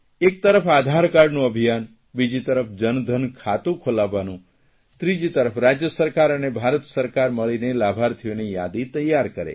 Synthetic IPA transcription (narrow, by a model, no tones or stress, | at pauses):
ek̚t̪əɾəfʰad̪ʱaɾkaɾnũəbʱijan | bid͡ʒit̪əɾəpʰd͡ʒənd̪ʱənkʰat̪ũkʰolaʋanũ | t̪ɾid͡ʒit̪əɾəfɾad͡ʒjəsəɾkaɾənebʱaɾət̪səɾkaɾməɭinelabʱaɾt̪ʰijonija̰d̪it̪əjːaɾkəɾḛ